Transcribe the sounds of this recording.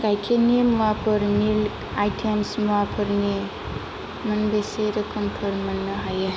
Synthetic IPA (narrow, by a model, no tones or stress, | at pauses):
kajkʰenemwapʰəɾnil | ajʈʰemsmuwapʰəɾne | mənbeseɾəkəmpʰəɾmənːəɦaje